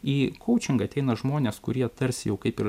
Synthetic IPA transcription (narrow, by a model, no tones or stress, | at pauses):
iːkʰɔʊt͡ʃʲɪŋɡɐɐt̪ʲɛɪnɐʒmoːnʲeːskʊɾʲiɛt̪ɐɾʲsʲjɛʊkɐɪpɪɾ